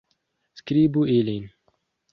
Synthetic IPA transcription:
skɾiːbuelin

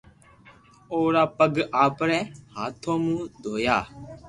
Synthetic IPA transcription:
oːɾaːpəɡaːpɾɛːhaːt̪ʰõːmũːd̪ʱoːjaː

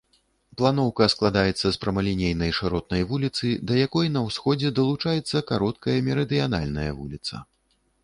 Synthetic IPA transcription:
plˠanɔwkɐsklˠad̪ajɛt̪sːɐspɾɐmɐlʲinʲejnɐjʂɾɔt̪̚nɐjvulʲit̪sɨd̪ɐjakɔjnɐwsxɔd͡zʲɛd̪ɐlˠut͡ʂajɛt̪sːɐkaɾɔt̪̚kɐjɐmʲɛɾɐd̪ɨjan̪a̰lʲnɐjɐvṵlʲit̪sɐ̰

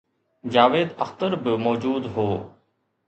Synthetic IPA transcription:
d͡ʒaːʋeːd̪əxt̪əɾbɪmɔːd͡ʒuːd̪ɦoː

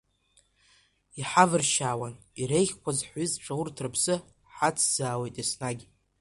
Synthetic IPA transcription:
iħavɨrʃaːwan | iɾejχʲkʷʰazħʷizʈ͡ʂʰʼawʊrtʰrɨpʰsɨ | ħat͡sʰz̥aːwejtʼisnaɡʲ

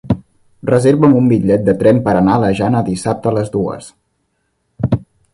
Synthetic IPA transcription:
rəzeɾβəmumbiʎɛt̪̚d̪ət̪ɾɛmpəɾənaləʒanəðisap̚t̪ələzd̪uə̰s

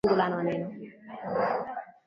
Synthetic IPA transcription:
ulanɔnenɔ

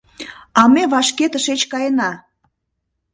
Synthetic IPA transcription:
ɑmeβɑʃket̪əʃet͡ɕkɑjənɑ

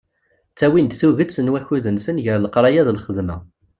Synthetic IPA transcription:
t͡sːæwind̪θuʝət͡sːənwæçuðənsənʝəɾləqɾˤɑjæðlχəðmæ̰

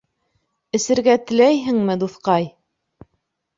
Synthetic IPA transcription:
ɘ̆sɘ̆ɾɡæt̪ɘ̆læjɦɘ̆ŋmɘd̪uθqɑj

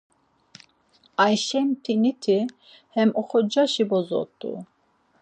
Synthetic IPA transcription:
ajʃɛmt̪ʰinit̪ʰi | hɛmɔχɔd͡ʒaʃibɔzɔ̰t̪ʼṵ

